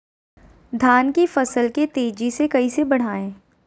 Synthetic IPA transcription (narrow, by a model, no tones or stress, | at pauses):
d̪ʱaːnkifɐsəlket̪eːd͡ʒisekɐisebɐɽ̤aːẽː